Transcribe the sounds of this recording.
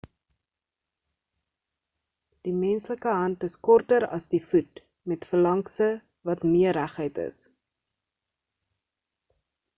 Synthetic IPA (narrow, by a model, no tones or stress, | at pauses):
d̥imɛnsləkəɦɐntəskɔrtəɾɐ̰sdifut̚ | mɛtfəlɐŋksə | vɐtmiəræχəjtə̰s